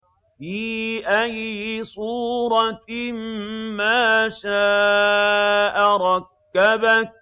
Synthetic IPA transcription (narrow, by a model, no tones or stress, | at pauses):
fiːʔajːɪsˤuːɾˤɑmmaːʃaː | ʔaɾˤɑkːabak̚